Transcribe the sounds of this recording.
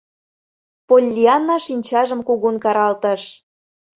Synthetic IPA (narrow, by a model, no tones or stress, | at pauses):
polʲːiɑnːɑʃinʲt͡ɕɑʒə̆mkuɣunkɑɾɑlt̪əʃ